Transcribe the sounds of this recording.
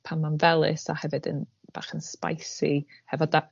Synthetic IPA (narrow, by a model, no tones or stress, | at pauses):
pʰanmanvɛlˠɨ̰sahɛvɨdə̰nb̥a̰ːχənspa̰jsihɛvɔda